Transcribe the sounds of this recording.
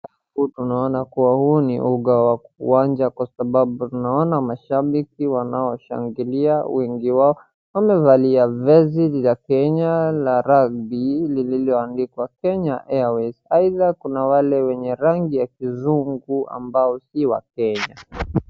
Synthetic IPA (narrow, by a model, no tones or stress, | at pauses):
utunaɔnakuwahuːniʔuɠawauwaɲd͡ʒakwasaɓaɓutunaɔnamaʃaɓikiwanaɔʃa̰ŋɡiliawiŋɡiwaɔ | wamɛvaliavɛzililakɛɲalaɾabilililiɔandikwakɛɲaʔɛawɛsaiðakunawalɛwɛɲɛɾaŋɡijakizuŋɡua̰mbaɔsiwa̰k̚ɛɲa